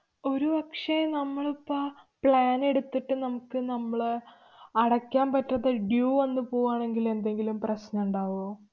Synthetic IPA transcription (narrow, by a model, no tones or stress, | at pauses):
o̞ɾubɐkʂenɐmːɐɭupːɐpɭaːne̞ɽut̪ːiʈːɨnɐmukːɨnɐmːɐɭ | ɐɽɐkːaːnpɐtːɐðɐɖjuːʋɐnːɨpo̞ːwaːɳe̞ŋɡile̞nd̪e̞ŋɡilumprɐsnuɳɖaːʋo